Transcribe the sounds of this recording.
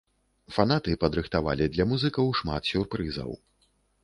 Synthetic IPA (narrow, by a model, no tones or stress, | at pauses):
fan̪at̪ɨpɐd̪ɾɨxt̪ava̰lʲid̪lʲɐmuzɨkɐwʂma̰t̪sʲurpɾɨzɐ̰w